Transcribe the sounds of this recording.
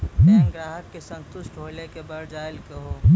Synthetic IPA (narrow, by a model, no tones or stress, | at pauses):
nɡɾaːɦəkːesə̃nt̪ʊʃʈbʱoːlekebəɾd͡ʒaːɪlkeɦon